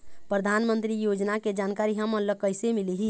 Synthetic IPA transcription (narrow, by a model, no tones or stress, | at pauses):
pɾəd̪ʱanmənt̪ɾijod͡ʒnaked͡ʒankaɾiɦəmənləkəjsemiliɦi